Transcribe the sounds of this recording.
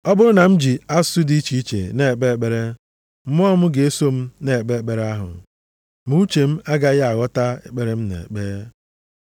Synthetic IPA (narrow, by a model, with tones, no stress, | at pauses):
ɔ˦bʊ˦ɾʊ˦na˨m̩˦d͡ʒi˨a˦su˦di˦t͡ʃi˦i˦t͡ʃḛ˨ne˦˨k͡pe˦e˨k͡pe˨ɾe˦ | m̩˦m˦ɔ˦mʊ˦ɡe˦so˦m̩˦ne˦˨e˨k͡pe˦e˦˨k͡pe˦ɾe˦a˦ɦʊ̰˨ | mu˦t͡ʃe˨m̩˦a˦ɡa˦ɣɪ˦a˨ɣɔ˦ta˦e˨k͡pe˦ɾe˦m̩˦nḛ˨k͡pe˦